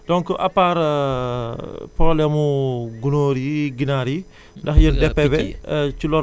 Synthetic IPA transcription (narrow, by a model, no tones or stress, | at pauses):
d̥ɔŋkəʔapːaɾ | pɔlɛmuɡunoɾiɡinaɾi | ndɐxjəndɛpːɛbɛt͡ʃulɔ